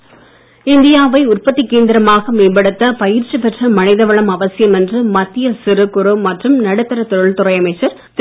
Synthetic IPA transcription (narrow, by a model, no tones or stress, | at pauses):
ɪnd̪ɪjaːʋɐɪʊrpɐt̪ːɪkːeːnd̪ɪɾɐmaːɣɐmeːpɐɽɯt̪ːɐpɐjɪɾt͡ʃːipɛʈrɐmɐnɪðɐʋɐɭɐmɐʋɐsɪjɐmɛndrɯmɐt̪ːɪjɐsɪɾɯkːʊɾɯmɐʈrɯmnɐɽɯt̪ːɐɾɐt̪ɔɾɯɭt̪ʊrɐɪɐmɐɪt͡ʃːɐɾ